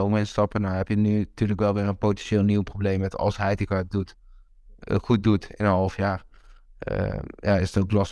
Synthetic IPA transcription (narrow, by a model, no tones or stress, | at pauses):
omɛnstɔpənɔhɛpjənytyːələkʋɛlˠʋɪːrənpotɛnʃeːlˠniwprobleːmʋɛtɔ̰lˠshɛjdikadut | xut̚dutɪ̰nənɦɔlˠfjaːr | ə̰jaɪsətoklɔs